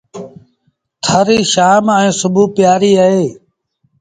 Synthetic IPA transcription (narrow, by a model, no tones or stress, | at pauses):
t̪ʰəɾiːʃaːmɛ̃ːsʊbuːpjaːɾiːəɦeː